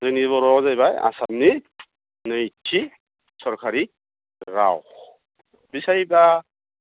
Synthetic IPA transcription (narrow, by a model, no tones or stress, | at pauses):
zɯniβɔɾɔzajbaja̰sabni | nɯitʰːi | sɔɾkʰaɾi | ɾa̰w | bisajba